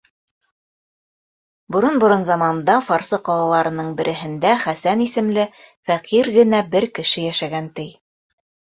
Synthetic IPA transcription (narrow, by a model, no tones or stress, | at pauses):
bŏɾonbŏɾonzɑmɑnd̪ɑfɑɾsɤqɑlˠɑlˠɑɾɤ̆nɤɴbɘ̆ɾʔɘ̆ɦɘ̆nd̪æχæsænisɘ̆mlɘfæqiɾɡɘ̆næbɘɾkɘ̆ʃɘjæʃæɡænt̪ɘj